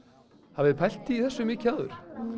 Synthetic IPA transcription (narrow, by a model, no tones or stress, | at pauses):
havɛɾpʰajl̥t̪ɪiθɛsːʏmɪːcʰaːðʏ̰ɾ̥